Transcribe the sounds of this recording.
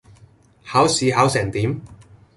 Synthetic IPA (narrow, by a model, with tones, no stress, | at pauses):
haː˨˥wsiː˨˧ɦaː˨˥wsɛː˨˩ŋt̪iː˨˥m